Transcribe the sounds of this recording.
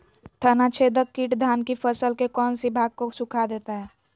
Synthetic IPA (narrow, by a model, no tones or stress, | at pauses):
t̪ʰənat͡ʃʰed̪əkːiːʈd̪ʱaːnkipʰəsəlkekɔːnsibʱaːɡ̚kosʊkʰad̪eːt̪aɦɛː